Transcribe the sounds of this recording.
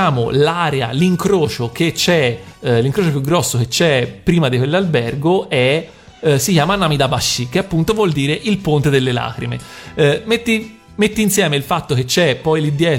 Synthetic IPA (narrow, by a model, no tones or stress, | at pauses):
aːmo̰laːɾea̰liŋkɾoːt͡ʃok̟et͡ʃːɛliŋkɾoːt͡ʃopjuɡːɾɔsːok̟et͡ʃːɛpːɾiːmad̪ikwelːalbɛrɡoɛ | sikjaːmanːaːmid̪abaʃːikeapːunt̪ovwɔld̪iːɾeʔilpont̪ed̪elːela̰ːkɾḭmḛmet̪ːi | met̪ːiːnsjɛːmeilfat̪ːok̟et͡ʃːɛpːɔjlid̪ːjɛː